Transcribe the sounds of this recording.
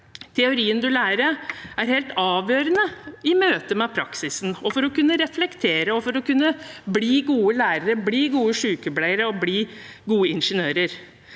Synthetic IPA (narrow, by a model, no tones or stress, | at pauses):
t̪ʰɛʊɾiːənd̪ʉlæːɾəæɾhɛlt̪ɑːʋjøːɾənəɪmøːt̪əmɛpʰɾɑksɪsn̩ɔfɔɾɔkʉnːəɾɛflɛkt̪ʰeːɾəɔfɔɾɔkʉnːəbliːɡuːəlæːɾəɾəbliːɡuːəʂʉːkəblæɪəɾəɔbliː | ɡuːəɪnʂənøːɾəɾ